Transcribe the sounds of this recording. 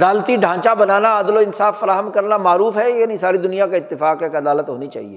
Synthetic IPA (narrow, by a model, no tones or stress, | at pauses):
d̪aːlt̪iɖʱãːt͡ʃabɐnaːnaaːd̪loɪnsaːfːɐɾaːɦəmkɐɾnamaːɾuːfɦɛjaːnĩsaːɾid̪ʊnijakaɪt̪ːɪfaːkjakɐd̪aːlət̪ɦoːnit͡ʃa̰ːɦiḛː